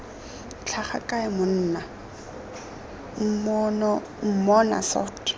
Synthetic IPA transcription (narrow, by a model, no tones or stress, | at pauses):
t͡ɬʰaχa̰kʼaɪmʊn̩ːna | ŋ̩mnɔ | ŋ̩mɔna̰sɔ̰tʼ